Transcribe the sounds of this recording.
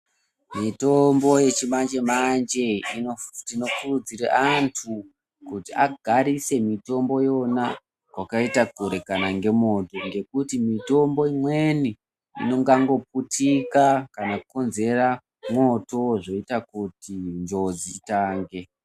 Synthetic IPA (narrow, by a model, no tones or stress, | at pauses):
mito̞mbo̞je̞t͡ʃimand͡ʒe̞mand͡ʒe̞iotino̞kurud͡ziɾa̰ʔantʰu | kutiaɡʱaɾise̞mito̞mbo̞jo̞na | kwakaitakoɾe̞kanaŋɡe̞mo̞to̞ŋɡe̞kutimito̞mbo̞imwe̞ni | ḭno̞ŋɡaŋɡo̞p̚utikakanakuko̞nze̞ra | mwo̞to̞ʐo̞itakutind͡ʒo̞d͡ziːtaːŋɡe̞